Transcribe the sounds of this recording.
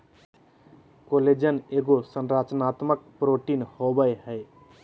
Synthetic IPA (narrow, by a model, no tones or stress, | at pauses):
koled͡ʒəneɡosənɾat͡ʃnat̪mək̚pɾoʈinhobəjɦəj